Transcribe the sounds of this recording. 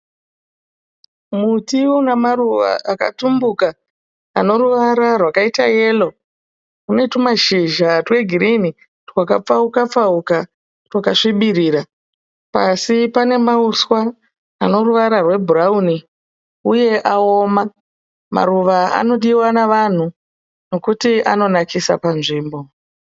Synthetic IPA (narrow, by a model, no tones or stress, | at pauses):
mutiwonamaruʋa̰aka̰tumbuka̰ː | no̞ruʋaɾarwakaitaje̞ːlo̞ | kune̞tumaʃiʒatwe̞ɡʱiɾini | rwaka̰p͡faukap͡fauka | rwakaʂiɓiriːɾa | pasipane̞mauswaː | no̞ruʋaɾarwe̞bʱurauni | uje̞ʔao̞ːma | ma̰ruʋaa̰no̞ɗiwanaʋan̤u | no̞kutia̰no̞nakisa̰panʐiːmbo̞